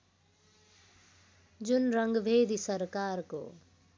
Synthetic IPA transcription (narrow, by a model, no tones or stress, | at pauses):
d͡ʒunɾʌŋɡbʱeːd̪isʌɾkaɾko̰